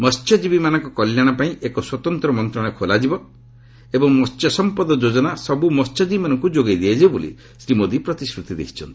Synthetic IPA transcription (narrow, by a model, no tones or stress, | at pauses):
mɔst͡ʃʰɔd͡ʒibimanɔ̃ŋkɔkɔljaɽ̃apaĩʔekɔswɔt̪ɔnt̪ɾɔmɔnt̪ɾɔɽ̃ɔkʰolad͡ʒibɔ | ebɔŋmɔst͡ʃjɔsɔmpɔd̪ɔd͡ʒod͡ʒɔnasɔbumɔst͡ʃʰɔd͡ʒibimanɔŋkud͡ʒoɡad̪iad͡ʒibolḭ | sɾimod̪ipɾɔt̪iskɾut̪id̪ḛɦi̥t͡ʃʰɔnt̪i̥